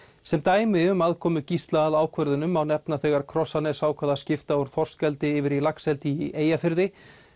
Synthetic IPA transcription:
sɛmt̪aːjmɪʏmaðkʰɔːmʏcist̪laːlaːwkʰvœɾðʏnʏmawnɛpnaθɛɣaɾ̥kʰɾɔsanɛsaːwkʰvaːðascɪft̪aɔɾ̥fɔr̥skɛlt̪ɪɪvɪɾilaksɛlt̪ieːjafɪɾðɪ

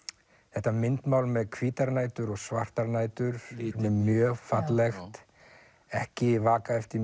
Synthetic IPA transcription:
θɛht̪amɪnt̪maːwlmɛðkʰviːt̪aɾnaːjt̪ʏɾɔɣsvar̥t̪aɾnaːjt̪ʏɾit̪nɪːjœːfat̪lɛxt̪ | ɛhcɪvaːkaɛft̪ɪ

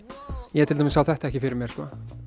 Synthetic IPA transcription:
jɛt̪ɪlamɪsawθɛht̪aɛhcɪfɪɾɪɾmjɛɾ̥skɔ

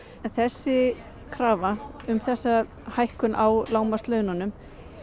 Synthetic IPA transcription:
θɛsːɪ | kʰɾaːvaʏmθɛsːa | hajhkʏnʔawlaːwmast̪lœɥðnanːʏm

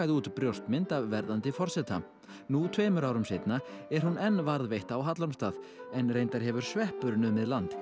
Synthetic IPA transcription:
ajðɪuːt̪pɾjowst̪mɪnt̪avvɛɾðant̪ɪfɔr̥sɛt̪ʰa̰ | nut̪ʰveːjmʏɾaːwɾʏmsɪjt̪naɛɾ̥hunɛnːvaɾðvejht̪aːwɦat̪laɾmst̪aːðɛnrejnt̪aɾ̥ɦɛvʏɾ̥svɛhpʏɾnʏmɪðlant̪

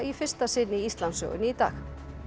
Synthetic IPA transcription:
ifɪr̥st̪asɪnːɪist̪lansœ̰ɣʏ̰niit̪a̰ːx

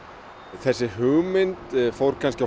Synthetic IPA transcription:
θɛsːɪɦʏɣmɪnt̪fowɾ̥kʰansca

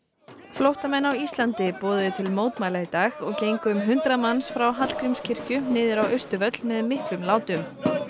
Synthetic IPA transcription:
flowht̪amɛnːawist̪lant̪ɪpɔːðʏʏt̪ʰɪlmoːwt̪majlaɣit̪aːɣɔɣcejŋkʏmɦʏnt̪ɾamanːsfɾawɦat̪l̥kʰɾɪmscʰɪr̥cʏnɪːðɪɾawœɥst̪ʏvœt̪l̥mɛðmɪht̪ɾʏmlaːwt̪ʏm

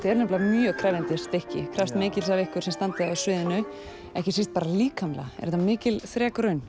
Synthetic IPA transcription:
t̪ʰɪɛɾnɛplaamjœɣkʰɾaːjvjant̪ɪst̪ehcɪ̰kʰɾast̪mɪːcɪlsavɪhkʏɾ̥sɛmst̪ant̪ɪaðsʏːðɪnʏ | ɛhcɪsist̪̚paːɾaliːkamla̰ɛ̰ɾɛt̪amɪːcɪlθɾɛːkɾœɥn

